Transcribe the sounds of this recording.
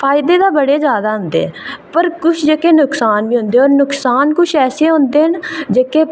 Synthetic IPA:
pʰaːɪd̪eːd̪aːbəɽeːd͡ʒjaːd̪aːɦʊnd̪ḛːɛːpəɾkʊt͡ʃʰd͡ʒeːkeːnʊksaːnʋĩːɦõːnd̪eːɔːɾnʊksaːnkʊt͡ʃʰɛːseːɦõnd̪eːɦənd͡ʒeːkeː

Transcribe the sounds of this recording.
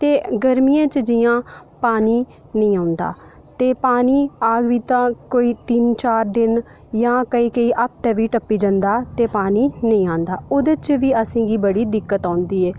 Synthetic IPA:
t̪eːɡəɾmijãːt͡ʃd͡ʒɪjãːpaːniː | nəĩːãːnd̪a̰ː | t̪eːpaːniːaːɡʋiːt̪ãːkoːiːt̪ɪnt͡ʃaːɾd̪ɪn | jãːkəiːkəiːʔap̚t̪ɛ̃ːʋiːʈəpːiːd͡ʒə̃nd̪aːt̪eːpaːniːnəĩːãːnd̪aːʊd̪ət͡ʃʋiːəsẽːɡiːbəɽiːd̪ɪkːət̪ãːnd̪iːɛː

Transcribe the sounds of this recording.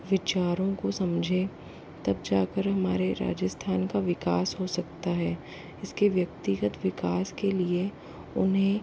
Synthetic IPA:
ʋɪt͡ʃaːɾõkosɐmd͡ʒʱẽ | t̪ɐb̚d͡ʒaːkəɾɦɐmaːɾeɾa̰ːd͡ʒəst̪ʰaːnkaʋɪkaːsɦosɐkt̪aɦɛː | ɪskeʋjɐk̚t̪ɪɡət̪ʋɪkaːskelie | ʊ̰nɦẽ

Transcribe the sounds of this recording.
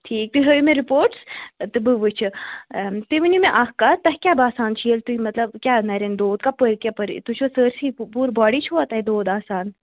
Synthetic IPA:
ʈʰiːk̚t̪uɦəjumẽɾipoːɾʈst̪ɨbɨʋɨt͡ʃʰi | t̪iʋinimẽʔaːkkat̪ɐɦkʲjaːbaːsaːnt͡ʃʰiəlt̪uimɐt̪lɐbkʲaːnɐɾend̪oːd̪̚kapəɾkʲjapəɾḭt̪ut͡ʃʰosəːɾsipuːɾbɔːɽit͡ʃʰuat̪aɦid̪oːd̪aːsaːn

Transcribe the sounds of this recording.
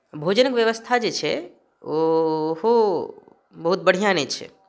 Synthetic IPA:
bʱod͡ʒənəkʋjəʋəst̪ʰad͡ʒet͡ʃʰɛ | oɦo | bəɦut̪̚bəɽ̤ijãnet͡ʃʰɛ̰

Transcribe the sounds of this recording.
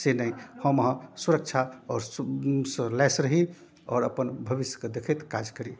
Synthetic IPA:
senəihəmɦə̃suɾək̚t͡ʃʰaɔɾsəlɛsɾəɦi | ɔ̰ːɾəpənbʱəbisjə̥ked̪ekʰet̪kad͡ʒkəɾi

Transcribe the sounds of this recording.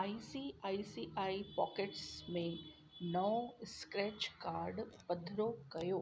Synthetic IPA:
aːisiaːisiʔaːipɔ̰ːkeʈsmẽ | nɐʋskɾɛːt͡ʃkaːɾɖpɐd̪ʱɾokɐjoː

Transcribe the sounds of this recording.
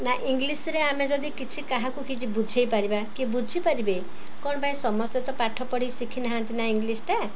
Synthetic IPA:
naʔiŋɡlisɾeamed͡ʒɔd̪ikit͡ʃʰikaɦakukit͡ʃʰibud͡ʒʱejpaɾibakibud͡ʒʱipaɾibej | kɔɽ̃ɔbaĩsɔmɔst̪et̪ɔpaʈʰɔpɔɽisikʰinaɦãnt̪inaiŋɡlisʈa

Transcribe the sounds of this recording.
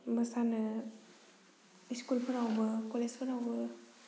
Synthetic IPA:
mɐsanɯ | iskulpʰəɾawbɐkolespʰəɾawbɐ

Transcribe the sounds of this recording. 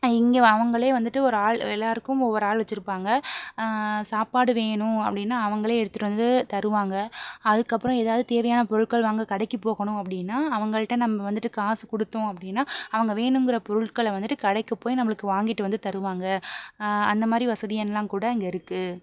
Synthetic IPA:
ɪŋɡeɐʋɐŋɡɐɭeːʋɐnd̪ɯʈːɯɔɾɯaːɭɛlːaːɾɯkːɯmɔʋːɔɾɯaːɭʋɐt͡ʃːɪɾɯpːaːŋɡɐ | saːpaːɽɯʋeːɳʊ̃ɐpːɐɽɪnːaːɐʋɐŋɡɐɭeːɛɽɯt̪ːɯʈːɯʋɐnd̪ɯt̪ɐɾɯʋaːŋɡɐɐðɯkːɐpːɯɾɔ̃eːðaːʋɐðɯt̪eːʋɐjaːnɐpɔɾɯɭkɐɭʋaːŋɡɐkɐɽɐkːipoːɣɐɳʊ̃ɐpːɐɽɪnːaːɐʋɐŋɡɐɭɐʈːɐ̃nɐmːɐʋɐnd̪ɯʈːɯkaːsɯkɔɽɯt̪ːõɐpːɐɽɪnːaːɐʋɐŋɡɐʋeːɳɯmɡɪɾɐpɔɾɯɭkɐɭʋɐnd̪ɯʈːɯkɐɽɐɪkːɐpːoːjnɐmːɐɭɯkːɯʋaːŋɡɪʈːɯʋɐnd̪ɯt̪ɐɾɯʋaːŋɡɐ | ɐ̰nd̪ɐmaːd̪ɾiʋɐsɐðɪjɐnlãːkuːɽɐɪŋɡɐɪɾɯkːɯ

